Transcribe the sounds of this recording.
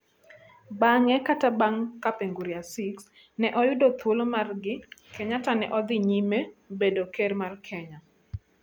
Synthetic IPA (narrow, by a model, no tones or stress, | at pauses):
baŋɛkatabaŋkapeŋɡuɾiasiks | nɛʔɔjʊdot̪wolomarɡɪkɛɲatanɛʔɔd̪ɪɲimebedokermarkʰɛɲa